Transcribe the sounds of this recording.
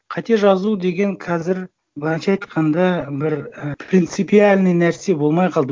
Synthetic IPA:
qʰɑt̪e̞ʒɑzud̪e̞ɡʲe̞ŋqʰɑzɪɾ | bənɑʃɑɑjt̪qʰɑnd̪ɑbɪɾprʲint̪sɨpialʲnəjnæɾse̞bo̞lˠmɑjqʰɑlˠd̪ə

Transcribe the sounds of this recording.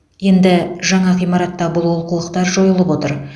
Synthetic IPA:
je̞nd̪ɪʒɑɴɑqijmɑɾɑt̪ːɑbʊlˠwolˠqəlˠəqt̪ɑɾʒo̞jəlˠəpwo̞t̪əɾ

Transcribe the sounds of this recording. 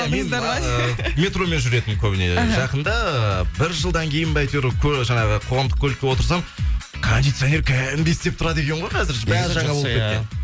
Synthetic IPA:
meɑɑmʲe̞t̪ɾo̞me̞nʒʏɾe̞t̪ɪmkʲʰɵbɪne̞̰ʒɑqənd̪ɑəbɪɾʒəlˠd̪ɑŋkʲʰe̞jɪnbɑjt̪eɾkʲʰɵʒɑɴɑʁəqʰo̞ʁɑmd̪əq̚kʰʲɵlkʲewo̞t̪əɾs̬ɑmkʰond̪it̪sɨjone̞ɾkʲʰæɪnb̪est̪e̞p̚t̪ʰʊɾɑd̪e̞kʲeɴʁojqʰɑzɪɾbæɾʒɑɴɑbopkʲet̪kʲen

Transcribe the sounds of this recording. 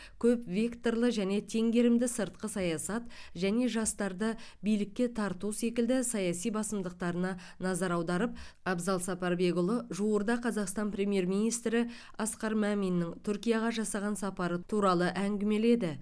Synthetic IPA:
kʲʰɵpvʲe̞kt̪o̞rlˠəʒæne̞t̪ʰe̞ŋɡʲe̞ɾɪmd̪ɪsəɾt̪̚qəsɑjɑsɑt̪ʒæne̞ʒɑst̪ɑɾd̪əbijlɪkʲːe̞t̪ʰɑɾt̪use̞kʲɪld̪ɪsɑjɑsijbɑsəmd̪əq̚t̪ɑɾənɑ | nɑzɑɾɑwd̪ɑɾəp̚ɑbzɑlˠsɑpɑɾbe̞ɡʊlˠəʒuwəɾd̪ɑqʰɑzɑqst̪ɑnprʲe̞mije̞ɾmijnijst̪ɾɪ | ɑsqɑɾmæminːɪŋt̪ʰʏɾkʲijɑʁɑʒɑsɑʁɑnsɑpɑɾət̪ʰuɾɑlˠəʔæŋɡʲɪme̞le̞d̪ɪ

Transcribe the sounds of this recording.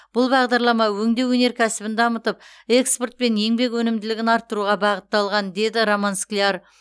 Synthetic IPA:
b̥ʊlˠbɑʁd̪ɑɾlˠɑmɑwɵŋd̪e̞wɵne̞ɾkʲʰæsɪbɪnd̪ɑmət̪əp̚ | e̞kspo̞rt̪̚pe̞nje̞ŋbe̞kwɵnɪmd̪ɪlɪɡʲɪnɑɾt̪ːəɾuʁɑbɑʁət̪ːɑlˠʁɑnd̪e̞d̪ɪɾomansklʲiar

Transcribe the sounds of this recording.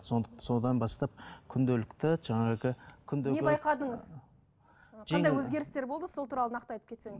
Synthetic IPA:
sosod̪ɑnbɑst̪ɑp̚kʲʰʏnd̪elɪkt̪ɪʒɑɴɑʁəkʲʰʏnd̪eebɑjqɑd̪əɴəz | ʒɑndɑjwɵzɡʲe̞ɾɪst̪e̞ɾbo̞lˠd̪əsolˠt̪ʰuɾɑlˠənɑqt̪əɑjt̪ə̥pkʲʰeseŋɪz

